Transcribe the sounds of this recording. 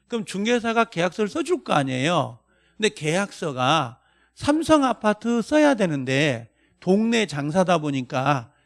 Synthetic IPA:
kɯmt͡ɕuŋɡes̬ʰaɡake̞jak̚s͈ʌɭs͈ʌd͡ʑuɭk͈ʌaɲe̞jo | ɯndeke̞jak̚s͈ʌɡa | sʰamsʰʌŋapʰatʰɯs͈ʌjadwe̞nɯnde̞ | toŋne̞t͡ɕaŋsʰadaboɲik͈a

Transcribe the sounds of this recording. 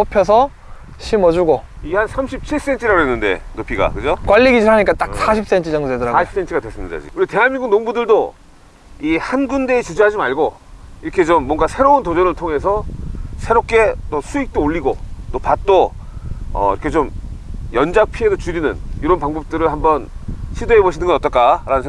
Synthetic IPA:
opʰjʌsʰʌ | ɕʰimʌd͡ʑuɡoihansʰamɕʰip̚t͡ɕʰiɭs͈e̞nt͡ɕʰiɾaɡoɦenːɯnde̞̰nopʰiɡa̰kɯd͡ʑokwaʎːiɡid͡ʑiɦaɲik͈at͈aks͈aɕʰip̚s͈e̞nt͡ɕʰɯd͡ʑʌŋsoedʌɾaɡiip̚s͈e̞nt͡ɕʰɡadwe̞s͈ɯmɲida̰d͡ʑḭuɾite̞ɦanmːiŋɡuŋnoŋbudɯɭdo | ihanɡunde̞ːt͡ɕid͡ʑuɦad͡ʑimaɭɡo | iɾʌkʰe̞t͡ɕomːwʌŋɡasʰe̞ɾountod͡ʑʌnɯɭtʰoŋe̞sʰʌsʰe̞ɾop̚k͈e̞t͈osʰuik̚t͈ooʎːiɡot͈opat̚t͈o | ʌ̰iɾʌkʰe̞t͡ɕomjʌnd͡ʑak̚pʰie̞dot͡ɕuɾinɯniɾʌnpaŋbʌp̚t͈ɯɾɯɭhambʌnɕʰidoɦeboɕʰinɯnɡʌnʌt͈ʌɭk͈aɾanɯnsʰe

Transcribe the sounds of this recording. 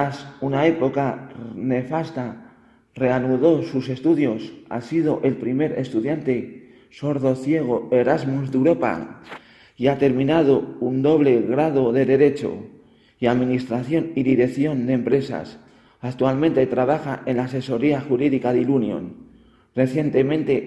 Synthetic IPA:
asunae̞po̞kane̞fast̪a | re̞anuðo̞suse̞st̪uðjo̞sa̰siðo̞ʔe̞lpɾime̞ɾe̞st̪uðjant̪e̞ | so̞ɾðo̞θje̞ɣ̞o̞e̞ɾazmuzðeuɾo̞pa̰ | iat̪e̞ɾmĩnað̞o̞und̪o̞β̞le̞ɣɾað̞o̞ðe̞ðe̞ɾe̞t͡ʃo̞̰ | iaðmĩnist̪ɾaθjo̞niðiɾe̞kθjo̞nd̪empɾe̞sa̰s | akt̪ualmẽnt̪e̞t̪ɾaβ̞axaʔe̞nlaːse̞so̞ɾiaxuɾiðikaðilunjo̰n | re̞θje̞nt̪e̞mẽ̞nt̪e̞

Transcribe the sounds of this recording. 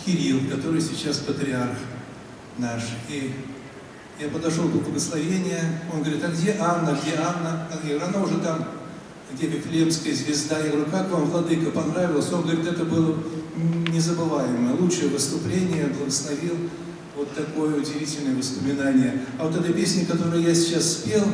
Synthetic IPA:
kʲɪɾʲilˠkɐt̪o̞ɾɨjsʲɪt͡ɕːaspət̪ɾʲɪarx | naʂi | japəd̪ɐʂolˠpəbləɡəslˠɐvʲenʲɪjəo̞nɡəvɐɾʲit̪ɐɡdʲeʔanːəɡdʲeanːəɐɡʲit̪ɐnaʊʐɛt̪am | ɡdʲepʲɪflʲepskəjəzʲvʲɪzd̪ajaɾʊkakvamvlˠɐd̪ɨkəpɐnɾavʲɪlˠəsʲonɡəɐvɐɾʲit̪ɛt̪əbɨlˠə | nʲɪzəbɨvajɪməlˠutʂɨjəvɨst̪ʊplʲenʲɪjəblˠəɡəslˠɐvʲilˠ | vo̞t̪ːɐko̞jəʊdʲɪvʲitʲɪlʲnəjəvəspəmʲɪnanʲɪjəɐvo̞t̪ɛt̪əpʲesʲnʲɪkɐt̪o̞ɾɨjəjasʲɪ̥t͡ɕːasːpʲelˠ

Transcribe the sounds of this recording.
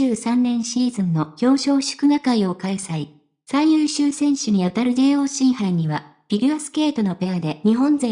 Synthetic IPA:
ɨːsãnːẽ̞ɰ̃ɕiːzɨ̃nːo̞kʲo̞ːɕo̞ːɕɨ̥kɯ̟ɡakaio̞kaesai | saijɯːɕɨːsẽ̞ɰ̃ɕɨɲ̟iat̪aɾɯ̟d̪e̞ːo̞ːɕĩɰ̃haiɲ̟iβa | pʲiɾʲɯasɨ̥ke̞ːt̪o̞no̞pe̞ad̪e̞ɲ̟iɦõ̞nd͡zẽ

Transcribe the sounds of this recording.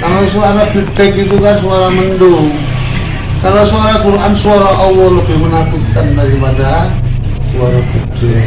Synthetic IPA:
kalasuaɾafit̪ɛkit̪̬ukansuaɾaməndʊŋ | kalasuaɾakuɾʔansuaɾaʔɔwɔləpɛhmənap̪it̪̚kandaɾipada | suaɾafit̪ɛ

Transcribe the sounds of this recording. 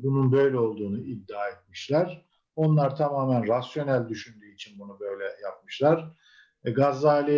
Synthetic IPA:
bununbø̞jlʲɛo̞lˠd̪uːnuid̪ːaːet̪̚miʃlʲæɾ | o̞nlˠaɾt̪ʰamaːmænɾasjo̞nælʲd̪yʃynd̪yːit͡ʃʰinbunubø̞jlʲɛjap̚mɯʃlˠaɾ̥ | ɡazːaːlʲi

